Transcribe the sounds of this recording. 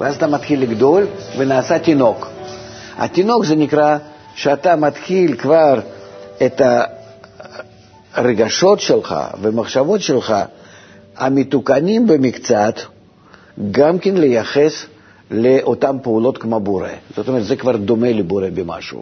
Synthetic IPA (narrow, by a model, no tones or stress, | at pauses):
vɛ̰azat̪amat̪xʲilʲːɪɡd̪o̞lʲvənaːsat̪ʲino̞k | ɐ̰t̪ʲino̞kzɛnʲɪkɾa | ʃeat̪amat̪xʲilʲkvarɛt̪ɐ | reɡaʃo̞t̪ʃelˠχa̰vəmɐχʃavo̞t̪ʃelˠχa̰ | a̰mʲɪt̪ukanʲimbəmʲɪkt̪t͡sat̪ | ɡamkʲenlʲɪjaχes | lʲeʔot̪ampəuːlˠo̞t̪kmoboɾḛz̥ot̪omɛɾt̪zɛkvard̪omelʲɪboɾebʲɪma̰ʃṵː